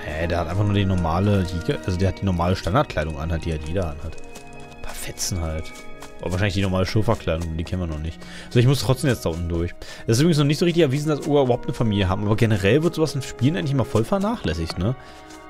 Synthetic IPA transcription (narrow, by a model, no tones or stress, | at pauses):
hɛd̥eːɐhatʔaɪnfaχnuːɐdiːnɔɐmaːlədiɡʔalzodeɐhat̚d̥iːnɔɐmaːləʃtandaɐt̚kʰl̥aɪɾʊŋʔa̰nhat̚d̥iːhaltviːdɐʔanhat | pʰaːɐfɛt͡sn̩halt | ʔʊ̰ːɐvaːʃaɪnɪç̬d̥iːnɔɐmaːləʃɪɐfɐkʰl̥aɪɾʊŋdiːkʰɛnviːɐnɔχnɪçt | ʔazoɪçmʊstʁ̥ɔtt͡ssd̥eːmjɛt͡sd̥aʔʊntn̩dʊɐçʔɛsɪsʔybʁɪɡŋsnɔχnɪçtzoːʁɪçtɪçɛɐviːzn̩dasʔoːɡɐybɐhʊptnəfamiːljəɦaːbm̩ʔaːbɐɡenəʁɛlvɪɐtz̥oːvasɪnʃpiːlənʔaɪŋɪçɪmaɐfɔlfɛɐnaːχlɛsɪçtnə